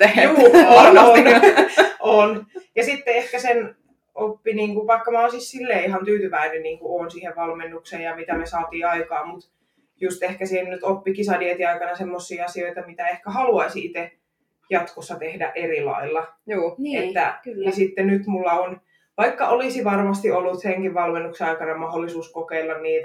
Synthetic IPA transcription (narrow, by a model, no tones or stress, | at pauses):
juːonon | ʔonjɑsit̪ːeehkæsen | opːiniːŋkuʋʋɑikːɑmæosissilːeːihɑnt̪yːt̪yʋæinenniːŋkuoːnsiːheʋʋɑlmenːukseːjjɑmit̪æmesɑːt̪iːɑikɑːmmut̪ | just̪ehkæsinnyt̪opːikisɑdiet̪iɑikɑnɑsemːosːiːɑsioit̪ɑmit̪æehkæhɑluɑisiit̪e | jɑt̪kosːɑt̪ehdæ̰ʔʔerilɑ̰ilːɑː | et̪ːænisit̪ːenyt̪mulːɑon | ʋɑikːɑolisiʋɑrmɑst̪iolːut̪seŋkiʋʋɑlmenːukseɑikɑnɑmɑholːisuːskokeilːɑnniːt̪